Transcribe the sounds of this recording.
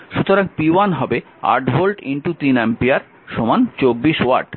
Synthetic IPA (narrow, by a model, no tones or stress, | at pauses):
ʃut̪oɾaŋpiwanɦɔbe | a̰ɾʈbʱolʈḭɳʈut̪inɛmpiaɾ | ʃomant͡ɕobːiʃwa̰ɾɖ